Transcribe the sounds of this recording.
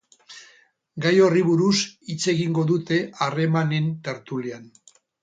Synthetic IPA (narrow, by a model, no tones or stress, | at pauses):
ɡajo̞riβuɾusit͡se̞ɣiŋɡo̞ðut̪e̞are̞mane̞nt̪e̞ɾt̪ulian